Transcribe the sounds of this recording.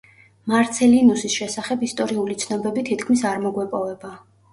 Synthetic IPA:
maɾt̪sʰɛlinusisʃɛsaχɛbist̪ʼɔɾiulit̪sʰnɔbɛbit̪ʰit̪ʰkʰmisaɾmɔɡwɛpʼɔvɛba

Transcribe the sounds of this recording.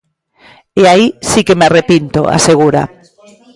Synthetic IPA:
eaisikemearepint̪o̰a̰seɣ̞uɾa̰

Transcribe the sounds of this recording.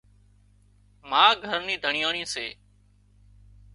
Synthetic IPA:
mãːɡʱəɾniːd̪ʱəɳɪjaːɳĩːseː

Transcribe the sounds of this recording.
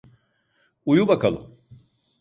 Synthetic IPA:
ujubakalṵ

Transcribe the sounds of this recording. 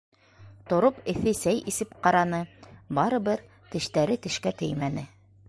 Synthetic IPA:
t̪ŏɾopɘ̆θɘsæjisɘpqɑɾɑnɤbɑɾɤ̆βɘɾ | t̪ɘ̆ʃt̪æɾɘt̪ɘ̆ʃkæt̪ɘjmænɘ

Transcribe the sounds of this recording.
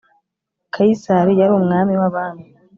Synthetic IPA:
kʰajisaɾijaɾuumŋaːmiwaβaːnu

